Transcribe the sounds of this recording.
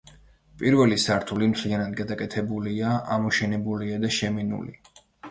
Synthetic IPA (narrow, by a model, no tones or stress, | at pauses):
pʼiɾvɛlisaɾt̪ʰulimt̪ʰlianad̪ɡad̪akʼɛt̪ʰɛbuliaʔamɔʃɛnɛbuliad̪aʃɛminṵlḭ